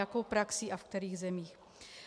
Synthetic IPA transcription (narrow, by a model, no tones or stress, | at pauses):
akowpɾaksiʔafkt̪ɛɾiːɣzɛmiːx